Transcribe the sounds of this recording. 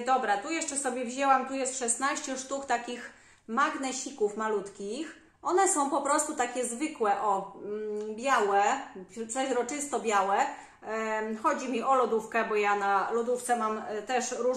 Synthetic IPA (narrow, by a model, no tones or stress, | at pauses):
d̪ɔbɾat̪ujɛʂt͡ʂɛsɔbʲjɛvʑɛwamt̪ujɛst̪ʂɛsnaɕt͡ɕɛʂt̪ukt̪akʲix | maɡnɛɕikufmalut̪kʲix | ʔɔnɛsɔ̃w̃pɔpɾɔst̪ut̪akʲɛzvɘkwɛʔɔ | bʲjawɛt̪sɔɾɔt͡ʂɘst̪ɔbʲjawɛ | xɔd͡ʑimʲiʔɔlɔd̪ufkɛbɔjanalɔd̪uft̪sɛmamt̪ɛʂɾu